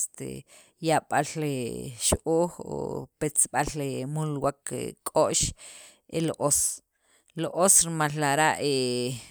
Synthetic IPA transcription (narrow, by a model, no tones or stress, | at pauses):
st̪ḛ | jaɓ̥aleʃʔoːxo̰pet͡sɓalemulwakḛkʼoʔʃ | ʔeloʔos | loʔosɾimalːaɾaʔe